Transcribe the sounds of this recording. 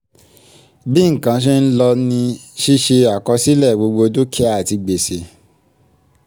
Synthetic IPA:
bi˦ŋ̩˨kã˨˦ʃ̬e˦n̩˦lɔ˧nĩ˧ʃi˦ʃe˧a˨kɔ˧si˦lɛ˦˨ɡ͡bo˧ɡ͡bo˧do˦kʰɛ˦a˦˨ti˧ɡ͡be˨se˨

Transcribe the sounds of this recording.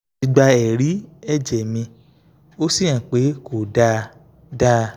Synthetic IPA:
i˧ɡ͡ba˧ɛ˨ɾi˨˦ɛ˦˨d͡ʒɛ˨mĩ˧ | o˦sĩ˦˨ã˨k͡pe˨˦ko˨da˧ | da˦

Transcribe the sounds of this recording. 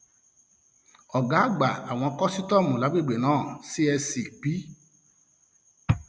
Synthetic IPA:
ɔ˨ɡa˨˦ɡ͡ba˨a˨w̃ɔ̃˧kɔ˦si˦tɔ˦˨mũ˨la˨˦ɡ͡be˦˨ɡ͡be˨nãː˦˨si˦ɛ˧si˨k͡pi˨˦

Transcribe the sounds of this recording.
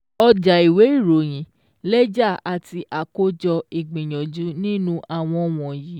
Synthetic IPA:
ɔ˧d͡ʒa˨i˨we˨˦i˦˨ɾo˨j̃ĩ˨˦ | lɛ˦d͡ʒa˦˨a˨ti˧ʔa˨ko˦d͡ʒɔ˧i˨ɡ͡bĩ˨j̃ɔ̃˨d͡ʒu˨˦nĩ˦nũ˦ʔa˨w̃ɔ̃˧w̃ɔ̃˨ji˨˦

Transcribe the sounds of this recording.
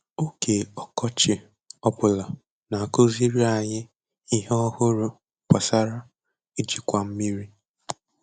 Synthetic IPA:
o˦ke˨ɔ˨kɔ˦t͡ʃɪ˨ | ɔ˦pʊ˨la˨ | na˨ko˦zi˦ɾi˦a˨ɲɪ˦ | i˦ɦe˦ɔ˦hʊ˦ɾʊ˨ | pa˨sa˦ɾa˦ | i˦d͡ʒi˨kʷa˦m̩˦mi˦ɾi˦

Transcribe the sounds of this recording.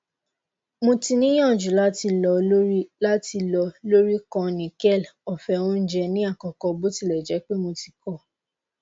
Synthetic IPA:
mõ˧ti˧nĩ˦ɔ̃˦˨d͡ʒu˨la˦ti˧lɔ˧˦la˦ti˧lɔ˧lo˦ɾi˦kɔ̃˧nĩ˨kɛ˦˨lɔ˨fɛ˧ũ˧˦n̩˦d͡ʒɛ˧nĩ˦a˦˨kɔ˨kɔ˧bo˦ti˧lɛ˨d͡ʒɛ˨˦k͡pe˦mõ˧ti̥˧kɔ˦˨

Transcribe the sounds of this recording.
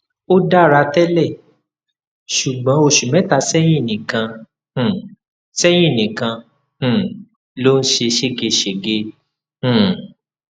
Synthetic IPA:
o˦da˦˨ɾa˧tɛ˦lɛ˦˨ | ʃu˨ɡ͡bɔ̃˨˦o˧ʃu˨mɛ̃˨˦ta˧sɛ˦j̃ĩ˦˨nĩ˨kã˧ | h̩˦˨ | sɛ˦j̃ĩ˦˨nĩ˨kã˧ | h̩˦˨ | lo˦n̩˦ʃe˧ʃe˦˨ɡe˧ʃe˨ɡe˧ | h̩˦˨

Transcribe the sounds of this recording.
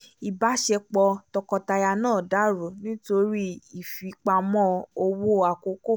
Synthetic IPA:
i˨ba˨˦ʃɛ˧k͡pɔ˧tɔ˧kɔ˧ta˧ja˧nãː˦˨da˨˦ɾo˨nĩ˦to˧ɾi˦i˨fi˨˦k͡pa˧mɔ̃˦o˧wo˦˨a˨ko˨˧˦ko˦˨

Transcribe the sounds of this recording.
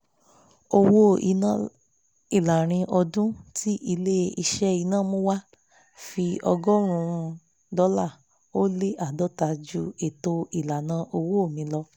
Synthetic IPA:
o˧wo˦i˨˧nã˦ | i˨la˨ɾ̃ĩ˧ʔɔ˧dũ˦tʰi˦ʔi˧le˦i˧ʃɛ˦i˧nãː˦˨mõ˦wa˦ | fi˧ɔ̰˧ɡɔ˦ɾ̃ũ˧ | dɔ˨˦la˦˨ | o˦le˦ʔa˦˨dɔ˨˦ta˧d͡ʒu˦e˨to˧i˨la˨nã˧˦ʔo˧wo˦o˦˨mĩ˨˧˦lɔ˧

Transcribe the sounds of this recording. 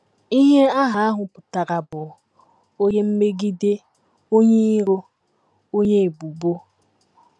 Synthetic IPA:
i˦ɦe˦a˦ɦa˨a˦ɦʊ˨pʊ˨ta˨ɾa˨bʊ˨ | o˦ɲe˦m̩˦me˦ɡi˦de˦ | o˦ɲe˦i˦ɾo˦ | o˦ɲe˦e˨bu˨bo˦

